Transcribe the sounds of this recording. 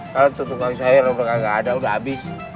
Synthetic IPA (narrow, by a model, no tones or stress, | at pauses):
kalat̪ut̪ukansaaɾadakaɡaadaudaɦabɪs